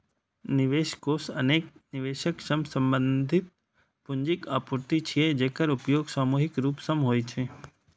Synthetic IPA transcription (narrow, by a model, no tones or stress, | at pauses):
nɪʋeːʃkoːsɐ̰neːk̚nɪʋeːʃəkʃəmsə̃mbə̃nd̪ʱɪt̪̚ | pʊɲd͡ʒɪkaːpuɾt̪it͡ʃʰijed͡ʒeːkəɾʊpjoːɡsaːmuːɦɪkɾuːpsɐmɦoːjt͡ʃʰeː